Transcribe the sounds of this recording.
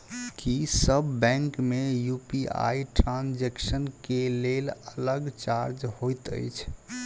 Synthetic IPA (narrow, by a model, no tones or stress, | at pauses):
kisəbːɛ̃ŋkmejupia̰iʈɾãnd͡ʒeksənkelelələɡt͡ʃaɾd͡ʒhojt̪ə̰jt͡ʃʰ